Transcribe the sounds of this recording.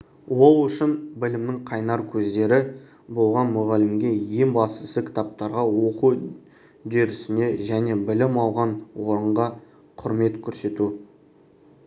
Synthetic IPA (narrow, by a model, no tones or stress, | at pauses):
wo̞lˠʏʃɪnbɪlɪmnɪŋqʰɑjnɑɾkʲʰɵzd̪e̞ɾɪ | bo̞lˠʁɑnmʊʁælɪmɡʲe̞je̞ŋbɑst̪əsəkʲʰɪ̥t̪ap̚t̪ɑɾʁɑwo̞qu | d̪eɾɪsɪne̞ʒæne̞bɪlɪmɑlˠʁɑnwo̞ɾəɴʁɑ | qʰʊɾme̞t̪kʲʰɵɾse̞t̪u